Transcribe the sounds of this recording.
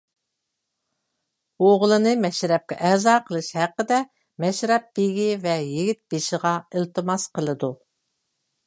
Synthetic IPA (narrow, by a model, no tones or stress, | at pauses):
oʁlˠɨnɨmɛʃɾɛp̚kʲɛ̰ʔɛzɑːqʰəlˠɨʃhæqːəd̪ɛ | mɛʃɾɛp̚beɡʲivɛjiɡʲit̪̚b̥eʃɪʁɑɪlt̪ʰɨmɑsqəlˠɨd̪u